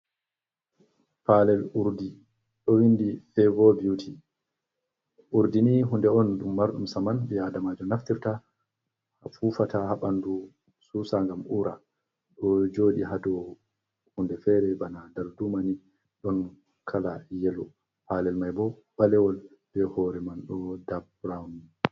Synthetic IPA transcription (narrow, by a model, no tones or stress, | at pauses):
palɛluɾdi | ɗɔwindifɛvɔbiwtʰi | ʔuɾdiniɦundɛɔnɗumːaɾɗumsamanbiadamad͡ʒɔnaftiɾta | hafuːfatahaɓandu | susaŋɡamʔuɾʔa̰ | ɗɔd͡ʒoːɗiɦadɔ | hundɛfɛɾɛbanadaɾdumani | ɗɔn | kʰalajɛlɔ | paːlɛlmajbɔbalɛwɔl | b̥ɛhɔɾɛmanɗɔdab̚ | ɾawni